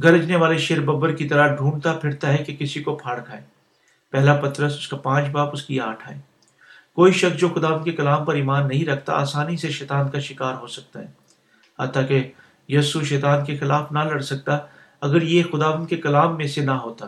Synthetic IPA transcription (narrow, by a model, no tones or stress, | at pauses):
ɡɐɾd͡ʒneʋaːleʃeːɾbɐbəɾkit̪ɐɾaɖʱũːɳt̪apʰɪɾt̪aɦɛkekɪsikopʰaːɽkʰaːeː | pɛɦlapɐt̪ɾəsʊskapãːt͡ʃbaːpʊskiaːʈʰaːeː | koːiʃɐksd͡ʒoːxʊd̪aːʋənd̪kekɐlaːmpɐɾiːmaːnːɐɦĩɾɐkʰt̪a̰a̰ːsaːniseʃɛːt̪aːnkaʃɪkaːɾɦosɐk̚t̪aɦɛː | ɦa̰ːt̪ake | jɐːsuʃɛːt̪aːnkexɪlaːfnalɐɽsɐk̚t̪a | ɐɡəɾjexʊd̪aːʋə̃nd̪̚kekɐlaːmːẽsenaɦoːt̪a